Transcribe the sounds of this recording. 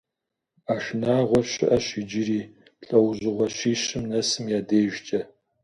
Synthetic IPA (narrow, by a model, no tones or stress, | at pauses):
aːʃnaːʁʷɔɕɪ̰ʔɐɕɪd͡ʒɪɾiː | ɬʼɐwʑɨʁʷɔɕiːɕɪmnɐsɨmjaːdeːʒt͡ʃʼɐ